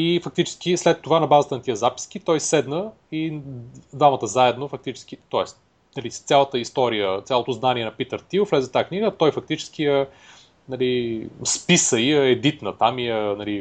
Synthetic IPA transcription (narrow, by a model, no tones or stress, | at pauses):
ifɐk̚t̪it͡ʃɛ̥sk̟islɛt̪ːovanɐbazət̪ənɐt̪iəzapi̥sk̟it̪ɔjsɛd̪nə | id̪vamət̪əzaɛd̪nofɐk̚t̪it͡ʃɛ̥sk̟it̪ɔɛst̪ | nɐlist̪sʲalˠət̪əist̪ɔɾijət̪sʲalˠot̪ʊznaniɛnɐpit̪əɾt̪iʊflɛzɛt̪aəkniɡət̪ɔjfɐk̚t̪it͡ʃɛ̥sk̟iɛ | nɐlispisəiɛɛd̪it̪nət̪amiɛnɐli